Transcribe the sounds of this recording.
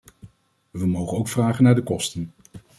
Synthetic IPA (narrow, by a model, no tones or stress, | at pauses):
ʋəmowχənowkfraːχənaːɹdəkɔstən